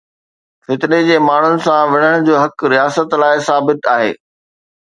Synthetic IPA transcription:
fɪt̪ɪned͡ʑeːmaːɳ̤ʊnɪ̆sãʋɐɽ̤əɽ̃d͡ʑoːɦɐkɾijaːsət̪laːɪsaːbɪt̪aːɦḛː

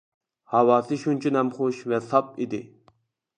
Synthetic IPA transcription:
hɑwɑːsɨʃunt͡ʃʰunɛmχoʃvɛsɑp̚id̪ɪ̰

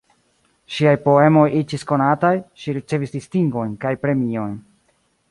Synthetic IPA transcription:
ʃiajpo̞e̞mo̞jid͡ʒisko̞natajʃiɾit͡se̞visdistiŋɡo̞jnkajpɾe̞mio̞jn

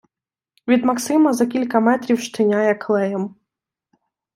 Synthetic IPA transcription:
ʋʲid̪mɐksɪmɐzɐkʲilʲkɐmɛt̪ɾʲiwʃt̪ɪnʲajɛkʰlˠɛjɛm

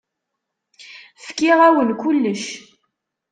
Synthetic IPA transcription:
fkiʁæwənkulːəʃ

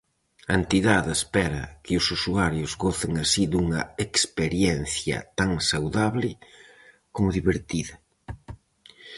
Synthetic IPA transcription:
ɐent̪iðaðespɛɾɐ̰kɪʊsusuaɾjʊzɣoθeŋasiðuŋɐekspeɾjɛnθjɐ̰t̪aŋsawðaβlɪ | komʊðiβeɾt̪iðɐ

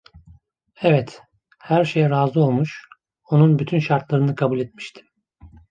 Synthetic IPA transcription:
ɛvɛt̪ | hæɾʃejɾaːzˠɯo̞lˠmuʃ | o̞nunbyt̪ʰynʃaɾt̪lˠaɾɯnɯkʰabulʲet̪̚mi̥ʃt̪ʰi̥m

